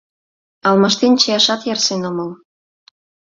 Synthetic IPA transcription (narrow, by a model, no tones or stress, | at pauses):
ɑlmɑʃt̪ent͡ɕejɑʃɑt̪jɑrsenomɤl